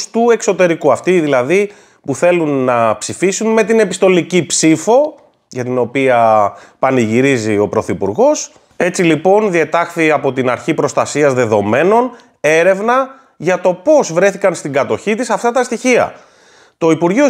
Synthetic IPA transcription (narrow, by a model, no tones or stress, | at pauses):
st̪ue̞kso̞t̪e̞ɾikuɐft̪iðilɐði | puθe̞lunːɐpsifisunme̞t̪ine̞pist̪o̞licipsifo̞ | ʝɐt̪ino̞piɐpɐniʝiɾizio̞pɾo̞θipuɾɣo̞s | e̞t͡silipo̞nðiet̪ɐxθiɐpo̞t̪inɐɾçipɾo̞st̪ɐsiɐzðe̞ðo̞me̞no̞n | e̞ɾe̞vnɐ | ʝɐt̪o̞po̞zvɾe̞θikɐnst̪iɡɐt̪o̞çit̪isɐft̪ɐt̪ɐst̪içiɐ̰ | t̪o̞ipuɾʝio